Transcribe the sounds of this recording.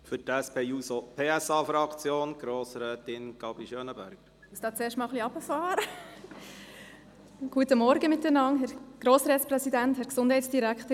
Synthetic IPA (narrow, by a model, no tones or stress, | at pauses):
fʏtɛspʰeːusopʰeːɛsɑːfɾɑkt͡sjoːnɡ̥ɾoːsɾɛːt̪ɪnɡ̥ɑbiʃøːnəbæ̰ɾɡ̥ | ʊsd̥ɑːt͡seːʃtmɑːlχliɑb̥əfɑːɾə | ɡ̥uətəmɔɾɡəmɪt̚dɛnɑŋɦɛɾɡ̥ɾoːsɾɛːt̪sprɛsidænthɛɾksʊnd̥ɦɛɪtsd̥iɾækt̪ə